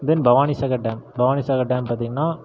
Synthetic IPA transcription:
d̪ɛnbʱɐʋaːnisɐkɐʈ̚ɖaːmbɐʋaːnisɐkɐʈɖaːmpaːɾt̪̬iːŋɡɐnːaː

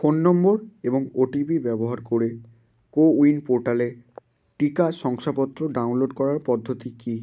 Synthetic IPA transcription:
fonːɔmboɾeboŋoʈibibɛboɦaɾkoɾe | kouinpoɾʈale | ʈikaʃɔŋʃapɔt̪ːɾoɖawnloɖkɔɾaɾpɔd̪ʱːot̪iki

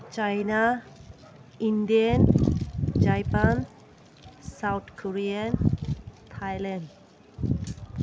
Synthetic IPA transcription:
t͡ʃajna | indian | d͡ʒajpan | sawt̪kʰoɾiantʰajlɛnd

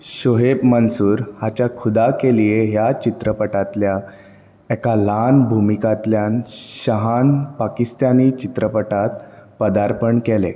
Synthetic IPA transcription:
ɕoɦebmənsuːɾhat͡ɕjakʰud̪akelijeɦjat͡ɕit̪ɾəpəʈat̪lja | ɛkalanbʱumikat̪ljanɕəɦanpakist̪anit͡ɕit̪ɾəpəʈat̪pəd̪aɾpəɳkelḛ

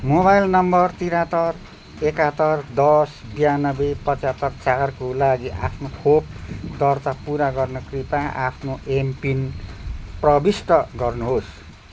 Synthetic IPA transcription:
mobajlnʌmbʌrt̪iɾat̪ʌr | ekat̪ʌrd̪ʌsbijanʌbepʌt͡sat̪ːʌrt͡sarkolaɡiʔapʰnokʰop̚d̪ʌrt̪apuɾaɡʌrnʌkripaʔa̰pʰnoempin | prʌbisʈʌɡʌrnuɦos

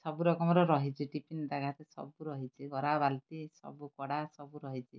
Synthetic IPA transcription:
sɔbuɾɔkɔmɔɾɔɾɔɦit͡ʃʰiʈipind̪aɡʱat̪esɔ̰buɾɔɦit͡ʃʰiɡɔɾabalt̪isɔ̰bukɔɽasɔbuɾɔɦit͡ʃʰi

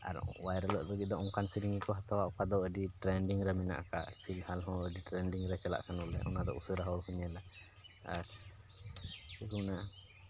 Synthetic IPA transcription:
a̰ɾɔ̰wajɾələʔbəɡit̪̚d̪ɔʔɔŋkansiɾiŋikɔɦat̪awaʔɔkad̪ɔəɖiʈɾɛɳɖiŋɾɛmina̰ʔka̰pʰilhalɦɔ̃əɖiʈɾɛnɖiŋɾɛt͡ʃala̰ʔkanɔlɛ̰ʔɔ̰nad̪ɔ̰ʔṵsəɾaɦɔwɾhuɲɛla | aɾ | kɛkuna

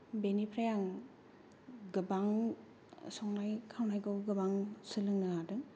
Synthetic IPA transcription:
benipʰɾajaŋ | ɡɯbaŋ | sɔŋnajkʰawnajɡɯwɡɯbaŋsɯlɯŋnɯadɯ

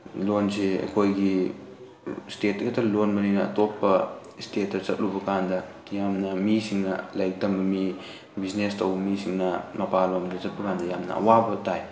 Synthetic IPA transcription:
lonseḛkʰojɡi | stetkɐtʰɐlonbɐninɐɐ̰topːɐ | istet̚ːɐzɐt̚lubɐkandɐ | jamnɐmisiŋnɐlaj̚tɐmbɐmi | biznestɐwbɐmisiŋnɐmɐpalomdɐzɐt̚pɐkandɐjamnɐ̰ɐ̰wabɐtaj

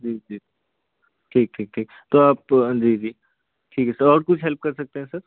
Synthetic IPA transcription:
d͡ʒiːd͡ʒiːi | ʈʰiːk̚ʈʰiːk̚ʈʰiːk | t̪oaːp̚d͡ʒiːd͡ʒiː | ʈʰiːkɛsəɾɔːɾkʊt͡ʃʰɦɛlp̚kɐɾsɐk̚t̪ẽɦɛ̃sɐɾ

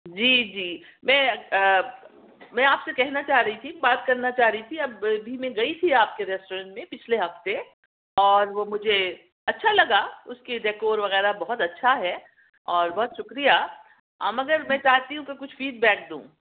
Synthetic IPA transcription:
d͡ʒiːd͡ʒiː | mɛ̃ː | mɛ̃ːaːpsekɛɦnat͡ʃaːɦɾɐɦit̪ʰibaːt̪kɐɾnat͡ʃaːɦɾɐɦit̪ʰiɐbbʱimẽɡɐit̪ʰiaːp̚keɾɛːsʈoːɾə̃ɳʈmẽpɪt͡ʃʰleɦɐft̪e | ɔːɾʋomʊd͡ʒʱe | ɐtːʃʰalɐɡaʊskiɖeːkoːɾʋɐɣɛːɾabɔɦɔt̪ɐtːʃʰaɦɛ | ɔːɾbɔɦʊt̪ʃʊkɾija̰ | mɐɡəɾmɛ̃ːt͡ʃaːɦt̪iɦũkekʊt͡ʃʰfiːɖbɛːk̚d̪ṵ̃ː

